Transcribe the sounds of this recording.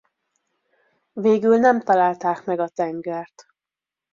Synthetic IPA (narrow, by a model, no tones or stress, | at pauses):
veːɡylnɛmt̪ɒlaːlt̪aːkmɛɡɒt̪ɛŋɡɛrt̪